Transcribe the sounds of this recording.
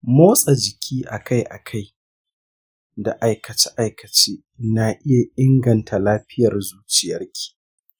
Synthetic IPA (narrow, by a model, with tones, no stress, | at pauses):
moː˦sʼa˨d͡ʒɪ˨kʲʰiː˦ʔa˨ka˦jʔa̰˨kʰa˦˨j | da˨ʔa˨jkɐ˨t͡ʃa˦ʔa˦˨jkɐ˨t͡ʃeː˦ | na˨ʔɪ˦ja˨ʔɪ˦ŋɡɐ˨ntʰa˨laː˦ɸɪ˦jɐ˨rzuː˦t͡ʃɪ˨jɐ˦rkʲʰi̥˨